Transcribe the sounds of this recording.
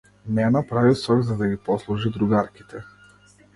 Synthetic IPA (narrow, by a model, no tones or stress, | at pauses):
mɛnapɾavisɔɡzad̪aɡipɔslˠuʒid̪ɾuɡaɾkʲi̥t̪ʰɛ